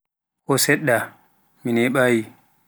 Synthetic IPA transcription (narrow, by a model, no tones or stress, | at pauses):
ʔɔsɛɗːa | minɛɓaji